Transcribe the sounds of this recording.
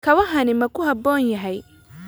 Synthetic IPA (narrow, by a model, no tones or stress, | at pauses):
kʰɐβɐɦɐnɪmɐkʰʊhɐbɔːnjɐɦɛj